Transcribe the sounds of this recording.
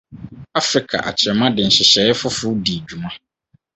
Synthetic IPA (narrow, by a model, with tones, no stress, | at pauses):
a˦fɾi˨kʰa̰˨ʔa̰˨t͡ɕʰɛ˨mã˦dɪ˨n̩˨ɕɪ˨ɕɛ˨˦ɪ˦fʊ˦fʊ˦di˨d͡ʑᶣu˨mã˦